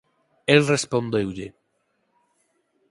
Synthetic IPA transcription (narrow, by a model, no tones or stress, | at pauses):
elrespond̪ewʎe